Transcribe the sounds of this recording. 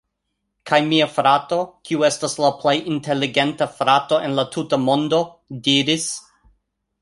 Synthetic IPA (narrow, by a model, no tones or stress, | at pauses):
kʰajmiafɾato̞kʰiue̞staslaple̞jʔinte̞liɡe̞ntafɾato̞e̞nlatʰutamo̞ndo̞diɾis